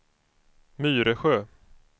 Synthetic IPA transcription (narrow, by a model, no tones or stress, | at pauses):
myːɾəɧøː